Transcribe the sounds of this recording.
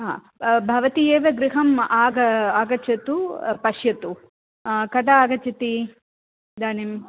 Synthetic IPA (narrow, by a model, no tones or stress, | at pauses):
ɦa̰ː | bʱɐʋɐt̪ieːʋɐɡɾiɦɐmaːɡɐaːɡɐt͡ʃɐt̪upɐʃjɐt̪u | kɐʈɐaːɡɐt͡ʃɐt̪i | d̪aːnim